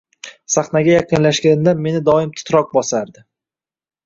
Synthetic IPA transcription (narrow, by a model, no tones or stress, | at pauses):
saχnaɡʲajɑqʰɨnlaʃɡʲand̪anme̞nɪd̪ɒɪmt̪ʰʊ̥t̪ɾɒq̚bɒsaɾd̪ɪ